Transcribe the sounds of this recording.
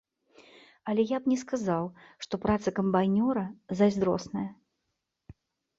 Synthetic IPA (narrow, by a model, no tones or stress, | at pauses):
ɐlʲɛjapnʲɛskazawʂt̪ɔpɾat̪sɐkɐmbajnʲɔɾɐzazʲd̪ɾɔ̰snɐjɐ